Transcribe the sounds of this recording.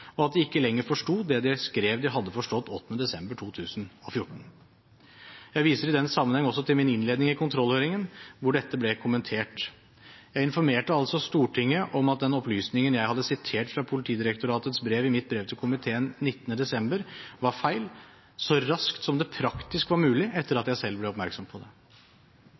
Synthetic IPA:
ɔɑt̪̚d̪ɪɪkːəlɛŋːəɾfɔʂʈuːd̪ɛd̪ɪskɾeːʋd̪ɪɦɑd̪ːəfɔʂʈɔt̪ːɔt̪ːənəd̪ɛsɛmbəʈʰuːt̪ʰʉːsənɔfjʊʈːɳ̩ | jæɪʋiːsəɾɪd̪ɛnːsɑmːənhɛŋːəɔsːɔt̪ʰɪlmɪnɪnleːd̪nɪŋɪkʰʊnt̪ʰɾɔlːhøːɾɪŋənʋʊɖɛt̪ːəblɛkʰʊmːənt̪ʰeːʈ | jæɪɪnfɔɾmeːʈəɑlsɔst̪uːʈʰɪŋːəʔɔmɑt̪̚d̪ɛnɔplyːsnɪŋənjæɪhɑd̪ːəsɪt̪ʰeːʈfɾɑpʰʊlɪt̪ʰiːd̪ɪɾək̚t̪ʊɾɑːt̪ət̪sbɾeːʋɪmɪt̪̚bɾeːʋt̪ʰɪlkʰʊmɪt̪ʰeːənnɪt̪ːənəd̪ɛsɛmbəɾʋɑɾfæɪl | sɔɾɑskt̪sɔmd̪ɛpʰɾɑkt̪ɪskʋɑɾmʉːlɪʔɛt̪ʰːəɾɑt̪jæɪsɛlːblɛɔpmæɾksɔmpʰɔd̪ɛ

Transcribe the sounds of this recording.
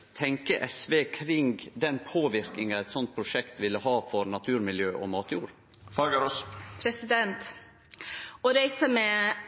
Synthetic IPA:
t̪ʰɛŋkəʔɛsʋeːkʰɾɪŋɡd̪ɛnpʰoːʋɪɾkɪŋɑɛɪt̪sɔnt̪̚pʰɾʊʂɛkt̪ʋɪlːəhɑːfɔɾnɑt̪ʰʉːɾmɪljøːʔɔ̰mɑːt̪juːɾ | fɑɡəɾɔspʰɾɛsɪd̪ɛnt̪ | ɔɾɛɪsəmɛ

